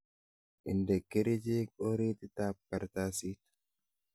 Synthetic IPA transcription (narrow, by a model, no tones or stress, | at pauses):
ʔɪnd̪ɛkːɛɾɪd͡ʒeːkʼoɾeːt̪ɪt̪aːppːɐɾt̪aːsiːt̪